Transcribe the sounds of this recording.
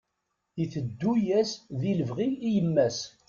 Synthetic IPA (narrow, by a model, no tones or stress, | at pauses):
iθəd̪ːujæsðiləvʁiːjəmːæs